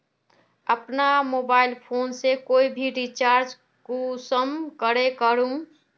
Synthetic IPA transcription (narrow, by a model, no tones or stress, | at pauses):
əpnamoːbaːɪlpʰoːnsekoːibʱiɾit͡ʃaːɾd͡ʒ | kosəmkəɾekəɾũ